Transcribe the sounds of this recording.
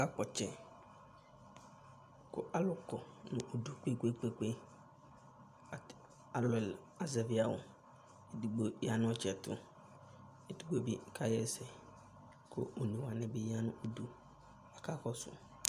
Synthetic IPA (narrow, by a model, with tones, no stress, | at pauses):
ka˦k͡pɔ˨t͡ʃɛ˨ | kʊ˦ʔa˨lʊ˦kɔ˨nʊ̃˨ʔo˨du˨k͡pe˦ke˦k͡pe˦k͡pe˦˨ | a˨lʊ˨l | a˨zɛ˨vɪ˦a˨wʊ̰˨ | e˦˨du˨ɡ͡bo˦a˨nʊ̃˦ɔ˦t͡ʃɛ˨tʊ̰˦ | e˨du˦ɡ͡bo˦˨bɪ˦kʰa˦jɛ˦sɛ˨ | kʰʊ̰˦o˨nĩ˨wa˨nɛ̃˨be˦˨ja˦nʊ̃˦o˨du˨ | a˨ka˦kɔ˦sʊ̰˨